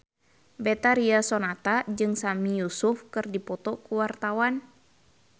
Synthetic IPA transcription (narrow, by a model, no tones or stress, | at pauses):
bɛt̪aɾiasɔnat̪ad͡ʒɨŋsamijusufkɨrdipɔt̪ɔkuwart̪awan